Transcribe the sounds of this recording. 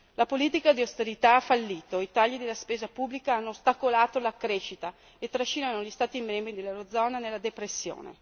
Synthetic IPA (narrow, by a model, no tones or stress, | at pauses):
lapoliːt̪ikad̪iawst̪eɾit̪aafːalːiːt̪oit̪aʎːid̪elːaspeːzapubːlikaanːost̪akolaːt̪olakɾeʃit̪a | et̪ːɾaʃːiːnanoʎist̪aːt̪imɛmbɾid̪elːewɾod̪zɔːnanelːad̪epɾesːjo̰ːnḛ